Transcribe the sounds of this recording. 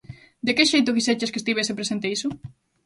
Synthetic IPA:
d̪ekeʃejt̪̬ʊkiset͡ʃeskest̪iβesepɾesẽnt̪eisʊ

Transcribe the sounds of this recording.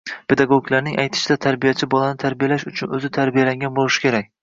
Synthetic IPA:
pʰe̞d̪aɡoɡlaɾnɪŋʔajt̪ʰɪ̥ʃɪd̪at̪ʰaɾbijat͡ʃʰɪbɒlanɪt̪ʰaɾbijalaʃʊt͡ʃʰʊnɵzɪt̪ʰaɾbijalaŋɡʲanbolˠɪʃɪ̥kʲʰe̞ɾak̚ʲ

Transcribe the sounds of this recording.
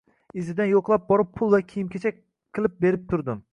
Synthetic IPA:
ɪzɪd̪ænjoqlˠɑp̚bɒɾɪpʰulˠvɛkʲʰijimkʲʰet͡ʃʰɛ | qʰːɨlˠɪp̚beɾɪp̚t̪ʰʊɾd̪ɪm

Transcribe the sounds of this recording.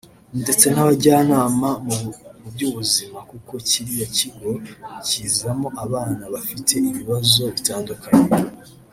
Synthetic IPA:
nde̞t͡se̞naβaɟaːnaːmamuubɟuːβuzimakuko̞ciɾijo̞ciɡo̞ciːzamo̞ʔaβaːnaβafitʰe̞iβiβazo̞βitaːndukaɲe

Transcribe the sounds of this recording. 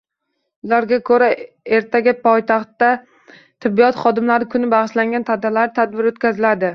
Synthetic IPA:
ʊlaɾɡʲakʰɵɾa | e̞ɾt̪ʰaɡʲɪpʰɒjt̪ʰɑχt̪ːa | t̪ʰɪbːijɒt̪χɒd̪ɪmlaɾɪkʰʊnɪbɑʁɨʃlaŋɡʲant̪ʰad̪alaɾɪt̪ʰad̪̚bɪɾot̪kʲazɪlad̪ɪ

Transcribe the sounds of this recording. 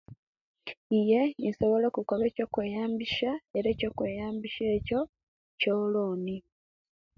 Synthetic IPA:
ije̞insoβo̞lekukoβe̞ːco̞kwe̞ːjaːmbiʃae̞ɾe̞ːco̞kwe̞ːjaːmbiʃe̞ːco̞ | coloːni

